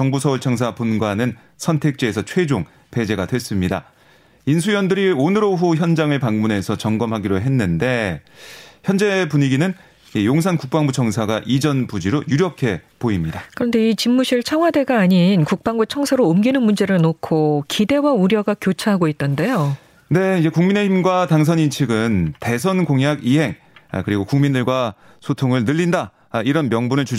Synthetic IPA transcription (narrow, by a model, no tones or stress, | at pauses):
t͡ɕʌŋbusʰʌuɭt͡ɕʰʌŋsʰapunɡwanɯn | sʰʌntʰe̞k̚t͡ɕ͈eːsʰʌt͡ɕʰwe̞d͡ʑoŋ | pe̞d͡ʑe̞ɡadwe̞s͈ɯmɲida̰ | insʰujʌndɯɾionɯɾoɸuçjʌnd͡ʑaŋɯɭpaŋmune̞sʰʌt͡ɕʌŋɡʌmhaɡiɾoɦe̞nːɯnde̞ | çjʌnd͡ʑe̞puɲiɡinɯn | ijoŋsʰankuk̚p͈aŋbut͡ɕʰʌŋsʰaɡaʔid͡ʑʌnpud͡ʑiɾojuɾjʌkʰe̞poimɲidakɯɾʌnde̞it͡ɕimːuɕʰiɭt͡ɕʰaŋwade̞ɡaːɲinkuk̚p͈aŋbut͡ɕʰʌŋsʰaɾoːmɡinɯnmund͡ʑe̞ɾɯɭnokʰokide̞wauɾjʌɡakjot͡ɕʰaɦaɡoit̚t͈ʌnde̞jo | ne̞id͡ʑe̞kuŋmine̞himɡwataŋs̬ʰʌnint͡ɕʰɯɡɯnte̞sʰʌnɡoŋjaɡiɦe̞ŋ̰ | kɯɾiɡokuŋmindɯɭɡwa | sʰotʰoŋɯɭnɯʎːinda | iɾʌnmjʌŋbunɯɭt͡ɕu